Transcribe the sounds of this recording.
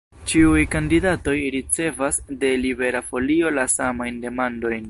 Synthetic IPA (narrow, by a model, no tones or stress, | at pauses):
t͡ʃiujkandidato̞jɾit͡se̞vasde̞libe̞ɾafo̞lio̞lasamajnde̞mando̞jn